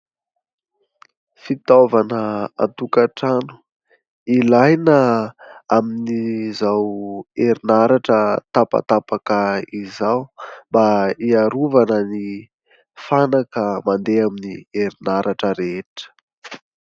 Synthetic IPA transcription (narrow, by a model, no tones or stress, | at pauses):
fit̪ovanəa̰nt̪ukaʈ͡ʂanu̥ | ilajnə | aminizaweɾinaɾaʈ͡ʂət̪apa̰pt̪apakəizawmbaiaɾuvanəni | fanakəmand̪eaminieɾinaɾʔaʈ͡ʂəɾeʈ͡ʂə̥